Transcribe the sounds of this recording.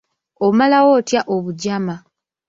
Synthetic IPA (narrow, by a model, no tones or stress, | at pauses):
omalawo̞ːtjaʔoβuɟama